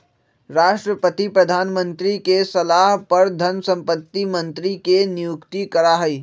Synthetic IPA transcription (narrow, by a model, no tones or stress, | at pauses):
ɾaːʃʈɾəpət̪ipɾɐd̪ʱaːnmə̃nt̪ɾikesɐlaːɦpɐɾd̪ʱɐnsɐ̃mpət̪ːimə̃nt̪ɾikenɪjʊkt̪ikɐɾaɦɐiː